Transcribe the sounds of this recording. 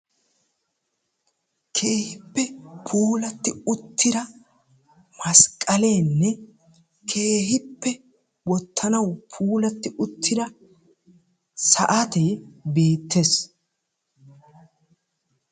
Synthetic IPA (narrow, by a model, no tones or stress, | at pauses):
kʰe̞ːhɪpːɛpʰuːlɐt̪ːɪʊt̪ʰːɪd̪ɐ | mɐskʼːɐle̞ːnːɛ | kʰe̞ːhɪpːɛ | wɔt̪ʰːɐnɐwpʰuːlɐt̪ːɪʔʊt̪ʰːɪd̪ɐ | sɐʔɐt̪ɛjbe̞ːt̪ːes